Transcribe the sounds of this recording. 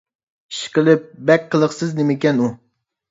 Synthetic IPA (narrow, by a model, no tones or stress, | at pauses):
i̥ʃqəlˠɨp̚bɛk̚ʲqʰəlˠəχsɪznɪmɪkʲɛnu